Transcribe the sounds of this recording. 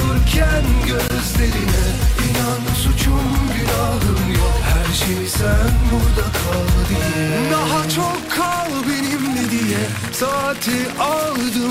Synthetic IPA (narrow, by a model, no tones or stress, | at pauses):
ɯɾcʲʰænɟø | zd̪eɾinɛinanɯsut͡ʃʰumbiɾalˠɯmhæɾʃejsænbuɾd̪akʰalˠɯd̪ɯjɛd̪aɦat͡ʃʰokʰːalˠɯbiɾimnid̪ijɛ | sat̪ʰiʔalˠɯd̪ɯ